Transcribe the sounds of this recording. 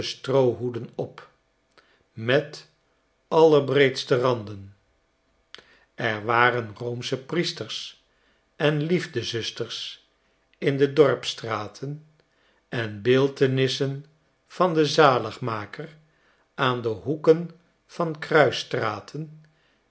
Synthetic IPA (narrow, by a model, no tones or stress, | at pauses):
əstrowɦudənɔp | mɛt | ɑləɹbrejtstərɑndən | ɛɹʋaːrənrowmsəpristəɹs | ɛnlivdəzʏstəɹs | ɪndədɔɹpstraːtʰən | ɛnbɪːlˠtənɪsən | v̥ɑndəzaːləχmaːkər | ʔaːndəɦukən | v̥ɑnkrœɥstraːtʰən